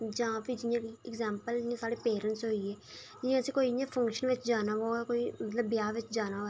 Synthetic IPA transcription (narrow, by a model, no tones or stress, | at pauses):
d͡ʒãːpid͡ʒɪjãːiɪkzɛːmpəld͡ʒɪãːsaːɽeːpeːɾəɳʈsɦoːiːɛː | d͡ʒɪãːəsĩːkoːijãːpʰə̃ŋkʃənʋɪt͡ʃd͡ʒaːnaːʋoːkoːiːmət̪ləbːjaːʋɪt͡ʃd͡ʒaːnaːo